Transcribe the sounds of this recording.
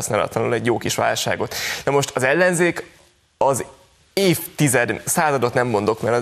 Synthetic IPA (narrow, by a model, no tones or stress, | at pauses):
snaːlɒ̰t̪lɒlonɛɟjoːkiʃʋa̰ːlʃa̰ːɡo̞t̪nɒmo̞ʃt̪ɒzɛlːɛnzeːk | ɒz | eːft̪izɛd̪saːzɒd̪o̞t̪nɛmːo̞nd̪o̞kmɛɾɒ